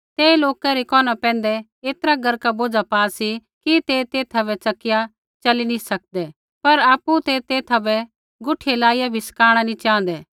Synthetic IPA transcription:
t̪eːloːkaɾikɔːnapɛ̃ːnd̪ɛ | eːt̪əɾaɡɐɾkaboːd͡ʒapaːsi | kit̪eːt̪eːt̪ʰɐbɛt͡sɐkɪja | t͡ʃɐlinisɐk̚d̪ɛ | pɐɾaːpːut̪et̪eːt̪ʰabɛ | ɡʊʈʰelaːijabʱiskaːɽ̃anĩt͡ʃãːn̆d̪ɛː

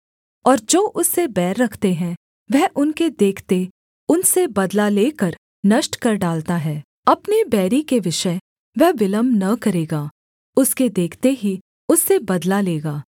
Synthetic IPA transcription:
ɔːɾd͡ʒoːʔʊsːebɛːɾːɐkʰt̪eɦɛ̃ | ʋɛɦʔʊnked̪eːkʰt̪e | ʊnsebɐd̪laleːkɐɾ | nɐʃʈkɐɾɖaːlt̪aɦɛː | ɐpnebɛːɾikeʋɪʃə | ʋɛɦʋɪləmnɐkɐɾeːɡaː | ʊsked̪eːkʰt̪eɦi | ʊsːebɐd̪laleːɡaː

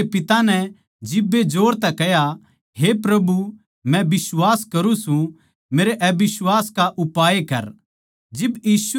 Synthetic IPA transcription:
pɪt̪anɛ | d͡ʒɪbːed͡ʒoːɾt̪ɛkɛja | ɦepɾɐbu | mɛ̃bɪswaːskɐɾũsũ | meːɾeʔbɪswaːskaʔʊpaːekɐ̰ɾ | d͡ʒɪbjiːs

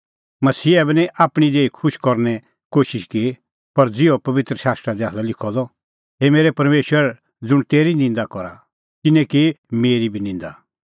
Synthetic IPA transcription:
mɐsiːɛbɛnĩʔaːpɽ̃id̪eːikʰʊʃkɔɾnɛ | koːʃɪʃki | pɐɾd͡zɪɔpɐʋɪt̪ɾəʃaːst̪ɾad̪iaːsalɪkʰɔd̪ɔ | ɦemeːɾɛpɐɾmeːʃwəɾ | d͡zʊɽ̃t̪eːɾinɪ̃nd̪akɔɾa̰ | t̪ɪnɛ̃kimeːɾibʱinɪ̃nd̪a̰

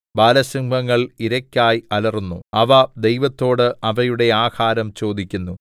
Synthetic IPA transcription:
baːlɐsɐŋbʱɐŋːɐɭiɾɐkʲːaːjɐlɐrunːṵɐʋɐd̪e̞jʋɐt̪ːo̞ːɽɨɐʋɐjuɽe̞aːhaːɾɐmt͡ɕo̞ːd̪ikʲːunːu

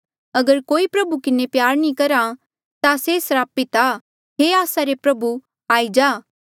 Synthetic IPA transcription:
ɐɡəɾkoːipɾɐbukɪnepjaːɾnĩkɐɾa | t̪asesɐɾaːpɪt̪a | ɦeaːsaɾepɾɐbu | aːid͡ʒaː

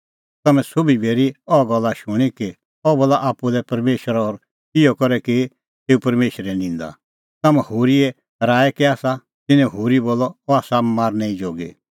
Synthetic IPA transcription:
t̪ɐmɛ̃sobibeːɾiɔɡɔlːaʃʊɽ̃iki | ɔbɔlːaʔaːpːudɛpɐɾmeːʃəɾɔːɾ | ɪjɔkɔɾɛkɪ | t̪eːupɐɾmeːʃɾɛnɪ̃ːnd̪a̰ | t̪ɐmɛ̃hoːɾiɛ | ɾaːɛkiaːsa | t̪ɪnɛ̃ɦoːɾiboːlːɔɔaːsammaːɾnɛĩd͡ʒoːɡḛ

